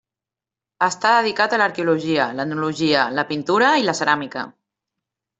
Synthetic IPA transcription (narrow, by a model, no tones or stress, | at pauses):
əst̪aðəð̞ikat̪ələɾkeuluʒiələnuluʒiələpint̪uɾəiləsəɾamikə̰